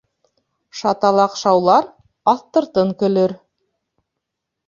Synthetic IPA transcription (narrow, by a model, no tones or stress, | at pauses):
ʃɑt̪ɑlˠɑqʃɑwlˠɑɾ | ɑθt̪ɤ̆ɾt̪ɤŋkɵ̆lɵɾ